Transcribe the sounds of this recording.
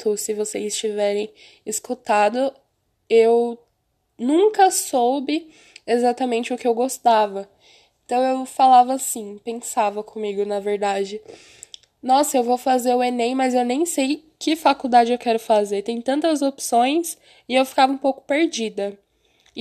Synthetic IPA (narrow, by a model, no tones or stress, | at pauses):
t̪ʊsɪvosezɪst͡ʃivɛɾẽj̃ | ɪskut̪ad̪ʊ | ew | nũkɐsowbɪ | ezat̪ɐmẽnt͡ʃɪʊkɪewɡost̪avɐ | ẽt̪ɐ̃w̃ewfalavɐasĩpẽsavɐkʰõmiɡʊnɐveɾd̪ad͡ʒɪ | nɔsɐewvowfazeɾʊenẽjmɐzewnẽj̃sejkɪfakud̪ad͡ʒɪewkɛɾʊfazeɾt̪ẽj̃t̪ɐ̃nt̪ɐzopsõj̃s | ɪewfi̥kavɐũpowkʊ̥peɾd͡ʒid̪ɐ